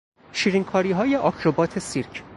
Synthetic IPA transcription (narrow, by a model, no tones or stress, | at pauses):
ʃiːɾiŋkʰɒːɾiːɦɒːje̞ʔɒkʰɾobɒːt̪ʰe̞siɾcʰ